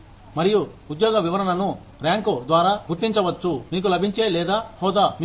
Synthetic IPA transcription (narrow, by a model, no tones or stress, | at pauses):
mɐɾijuː | d̪jɔːɡɐʋiʋɐɾɐnɐnu | ɾaːŋkud̪ʋaːɾaːɡuɾt̪iɲt͡ʃɐʋɐt͡ʃːumiːk̬ulɐbʱiɲt͡ʃeːlɛːd̪aːhɔːd̪aːm